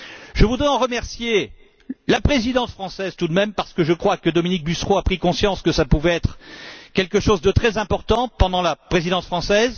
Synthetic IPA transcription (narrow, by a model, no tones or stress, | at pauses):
ʒ̥əvud̪ʁɛɑ̃ʁəmɛʁsje | lapχezid̪ɑ̃sfχɑ̃sɛzt̪ud̪mɛmpaʁsə̥kəʒəkχwakəd̪ɔminik̚bysχoapχikɔ̃sjɑ̃skəsapuvɛɛt̪χkʲɛlkəʃozd̪ət̪χɛzɛ̃pɔʁt̪ɑ̃pɑ̃d̪ɑ̃lapχezid̪ɑ̃t̪fχɑ̃sɛz